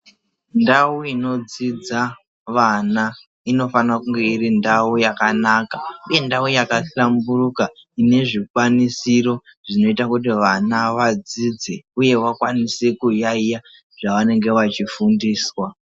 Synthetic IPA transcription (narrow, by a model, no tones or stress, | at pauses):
ndawuino̞d͡zid͡za | ʋana | ino̞fanakuŋɡe̞iɾindaujakanaːkauje̞ndaujakaɬamburuka | ine̞ʐikwanisiɾo̞ | ʐ̥ino̞itakut̬iʋanaʋad͡zid͡zeuje̞wakwanisekujaija | ʐ̥aʋane̞ŋɡe̞ʋat͡ʃifundiːswa